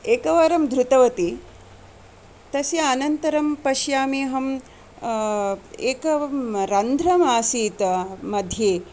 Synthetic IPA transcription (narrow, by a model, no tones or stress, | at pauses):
eːkɐʋɐɾɐmd̪ʱɾut̪ɐʋɐt̪i | t̪ɐsjɐːnɐnt̪ɐɾɐmpɐʃjaːmeːɦɐm | eːkɐɾɐnd̪ʱɾɐmaːsiːt̪ɐmɐd̪ʱjeː